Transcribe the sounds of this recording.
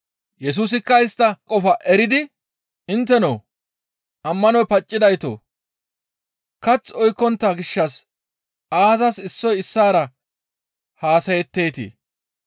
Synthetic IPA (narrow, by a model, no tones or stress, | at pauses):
jɛs̬uːs̬ɪkːɐɪst̪ːɐkʼɔfɐʔɛɾɪd̪ɪ | ɪnt̪ːɛnoː | ʔɐmːɐnɔjpɐt͡ʃʼːɪd̪ɐjt̪o̰ | kɐt͡sːɔjkːɔnt̪ːaːɡɪʃːɐs | aːzɐsɪsːɔjɪsːaːɾɐ | haːsɐjɛt̪ːe̞ːt̪ḭ